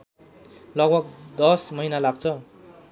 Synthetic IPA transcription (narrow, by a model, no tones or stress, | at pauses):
lʌɡbʱʌɡd̪ʌsmʌinalaɡt͡sʰʌ